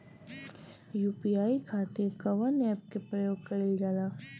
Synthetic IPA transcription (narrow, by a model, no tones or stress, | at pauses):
juːpijaːikʰaːt̪ɪɾkɐʋɐnɛːp̚kepɾɐjoːɡ̚kɐɾɪld͡ʒaːlaː